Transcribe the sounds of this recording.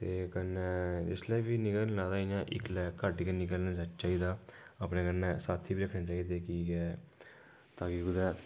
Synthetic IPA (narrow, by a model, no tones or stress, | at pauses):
t̪eːkənːɛːd͡ʒɪslɛːbiːnɪkəlnãːd̪aːijãːʔɪ̰klɛːkəʈkeːnɪkəlnãːd͡ʒat͡ʃt͡ʃaːiːd̪aːəpnẽːkənːɛ̃ːsaːt̪ʰiːbiːɾəkʰnãːt͡ʃaːiːd̪eːkiːɡɛː | t̪aːkiːɡʊd̪ɛː